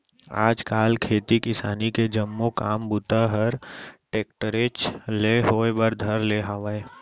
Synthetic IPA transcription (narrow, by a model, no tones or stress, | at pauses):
a̰ːd͡ʒkaːlkʰeːt̪ikɪsaːniked͡ʒɐmːokaːmbut̪aɦəɾʈeːk̚ʈəɾet͡ʃleːɦoːebəɾd̪ʱɐɾleɦaʋae